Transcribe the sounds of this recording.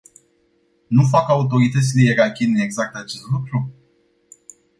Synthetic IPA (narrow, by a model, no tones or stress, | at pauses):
nuf̬akaut̪o̞ɾit̪ət̪silejeɾakʲine̞ɡzak̚t̪at͡ʃe̞st̪lukɾu